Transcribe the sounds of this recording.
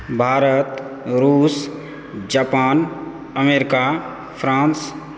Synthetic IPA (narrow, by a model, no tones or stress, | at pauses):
bʱaːɾət̪ | ɾuːs | d͡ʒapaːn | əmeɾɪka | pʰɾãːns